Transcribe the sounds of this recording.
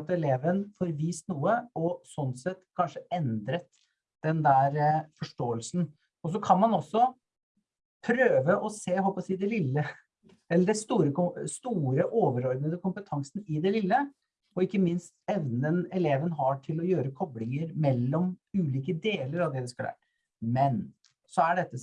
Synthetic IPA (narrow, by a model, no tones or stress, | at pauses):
t̪ɛleːʋənfɔɾʋiːst̪nuːəɔsɔnsɛt̪ːkʰɑnʂəɛnd̪ɾət̪ | d̪̥ɛnd̪æɾfɔʂʈoːəlsn̩ | ɔs̬ɔkʰɑnmɑnɔsːɔ | pʰɾøːʋəʔɔseːɦɔlpɔsiːd̪ɛlɪlːə | ɛlːəɖɛst̪uːɾəkʊst̪uːɾəʔoːʋəɾɔɾd̪nəd̪əkʊmpət̪ʰɑŋsnɪd̪ɛlɪlːə | ɔɪkːəmɪnst̪ɛʋnənɛleːʋənɦɑʈʰɪlɔjøːɾəkʰɔblɪŋəɾmɛlːɔmʉːliːkəd̪eːləɾɑʋd̪ɛd̪ɛskɑlæ̰ʈ | mɛn | sɔæɖɛt̪ːə